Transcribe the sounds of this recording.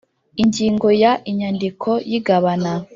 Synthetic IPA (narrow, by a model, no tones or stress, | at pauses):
iɲɟiːŋɡo̞jaʔiɲandikʰo̞jiɡaβana